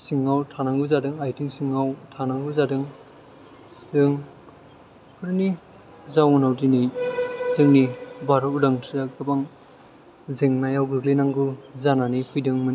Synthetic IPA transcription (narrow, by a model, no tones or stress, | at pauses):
siŋːawtʰanaŋɡuzadɯŋajtʰiŋsiŋawtʰanaŋɡuzadɯŋ | sdɯŋ | kʰɯɾni | zawunawdinijzɯŋnibaɾɯudaŋtʰakɯbaŋ | zeŋnajawɡɯɡlenaŋɡɯzananipʰujdɯŋmɯni